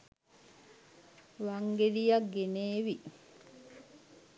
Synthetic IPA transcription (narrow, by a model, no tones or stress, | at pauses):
ʋaŋɡelijakɡeneːʋi